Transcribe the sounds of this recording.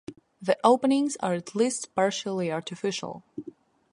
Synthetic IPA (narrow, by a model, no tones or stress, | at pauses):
ðiʔoʊpənɪ̃ŋzə̰ɹætʰlistpɑɹʃəl̩ˠiɑɹtɪfɪʃə̰l̩ˠ